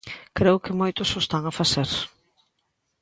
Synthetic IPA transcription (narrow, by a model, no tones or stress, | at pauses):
kɾeʊkɪmojt̪ʊsost̪aŋafaseɾ